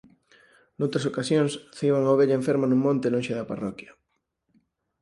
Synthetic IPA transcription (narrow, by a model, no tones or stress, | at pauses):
nowt̪ɾasokasjõŋsθiβaŋawβeʎaeɱfeɾmanũŋmõnt̪elõnʃeðɐpa̰rɔkjɐ